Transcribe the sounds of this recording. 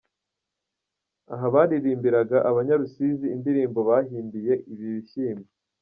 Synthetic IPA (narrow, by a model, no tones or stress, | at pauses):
aɦaβaːɾiɾiːmbiɾaɡaʔaβaɲaɾusiziːndiɾiːmbo̞βaːhiːmbije̞ʔiβiβiʃiːme